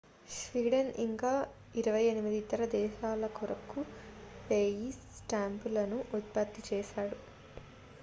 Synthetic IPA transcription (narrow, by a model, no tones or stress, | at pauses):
ʃʋiːɽɐniŋkaː | iɾɐʋɐjenimid̪it̪ɐɾɐd̪ɛːʃaːlɐkɔɾɐkupeːjisʈaːmpulɐnuʔut̪̚pɐt̪ːit͡ʃɛːʃaːɽu